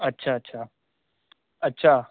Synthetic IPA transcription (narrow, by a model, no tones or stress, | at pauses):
ətːɕʰaːətːɕʰa | ətːɕʰa